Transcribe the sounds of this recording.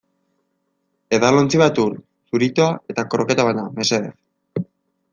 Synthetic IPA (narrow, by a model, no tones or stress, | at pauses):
e̞ðalont͡siβat̪uɾ | suɾit̪oae̞t̪akoɾoke̞t̪aβaname̞seḛɾ